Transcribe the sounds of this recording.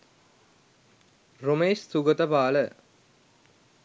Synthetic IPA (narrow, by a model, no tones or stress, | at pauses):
romeːʃsuɡət̪əpaːlə